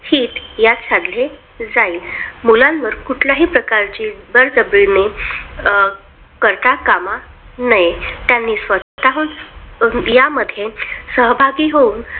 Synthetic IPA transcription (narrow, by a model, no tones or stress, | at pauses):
hiːt̪jat̪ɕʰad̪le | d͡zaiːlmulãnʋəɾkuʈʰljaɦiːpɾəkaɾt͡ɕiːbəɾd͡zəbɾine | kəɾt̪akama | nəjet̪janːiːsʋət̪aɦuːn | jaməd̪ʱjesəɦbʱaɡiːɦouːn